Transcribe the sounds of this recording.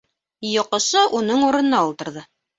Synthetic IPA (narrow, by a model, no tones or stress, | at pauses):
jŏqɤ̆ʃɤʔunɤɴuɾɤ̆nɤ̆nɑulˠt̪ɤ̆ɾðɤ